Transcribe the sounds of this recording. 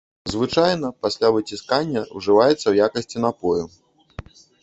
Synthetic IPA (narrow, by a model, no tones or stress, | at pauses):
zvɨt͡ʂajnɐpasʲlʲavɨt͡sʲiskanʲːɐwʐɨvajɛt̪sːɐwjakɐsʲt͡sʲinapɔju